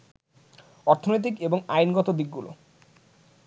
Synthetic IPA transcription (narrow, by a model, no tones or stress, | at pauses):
ɔɾt̪ʰonojt̪̬ikeboŋajnɡɔt̪od̪ik̚ɡulo̰